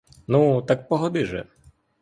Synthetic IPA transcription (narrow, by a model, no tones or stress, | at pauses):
nut̪ak̚pɔɦɔd̪ɪʒɛ̰